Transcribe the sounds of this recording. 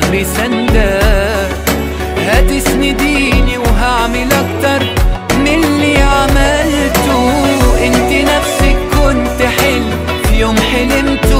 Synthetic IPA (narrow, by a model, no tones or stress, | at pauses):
bɪsand̪a | had̪ɪsnid̪iːniwɦaʕmɪlʔak̚t̪ɑɾˤmɪlːiʕamalt̪ʊʔɪnt̪inafsikːʊnt̪ħɪlː | fjoːmħɪlɪmt̪